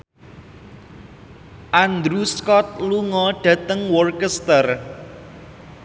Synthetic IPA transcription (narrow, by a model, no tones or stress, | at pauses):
ʔand̪ɾuskɔt̪̚luŋɔɖ̥ä̤t̪əŋwɔrkəst̪ər